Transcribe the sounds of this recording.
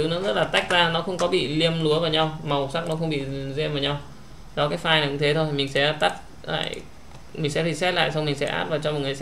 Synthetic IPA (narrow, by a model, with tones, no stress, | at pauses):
ɨ˨˦nɔ˨˦zə˦˥t̚laː˨˩t̪a˦˥jk̟̚zaː˧nɔ˨˦xə˧wŋ͡mkɔ˨˦ɓḭ˧˨li˧əmlu˨˦əvəː˨˩ɲa˧wma˨˩wsa˦˥k̚nɔ˨˦xə˧wŋ͡mɓḭ˧˨zɛ˧mvəː˨˧˦ɲa˧w | ɗɔ˨˦kaː˨˦jfaː˧jn˨˩kʊ̰˧˥ŋt̪ʰe˨˦t̪ʰo˧jmï˨˩ŋ̟sɛ̰˧˥t̪a˦˥t̚ | la̰ː˧˨j | mï˨˩ŋ̟sɛ̰˧˥t̪ʰi˨˩sɛ˦˥t̚la̰ː˧˨jsa˧wŋ͡mmï˨˩ŋ̟sɛ̰˧˥ʔa̰ː˦˥t̚vaː˨˩t͡ɕɔ˧m˨˩t̚ŋ˨˩˧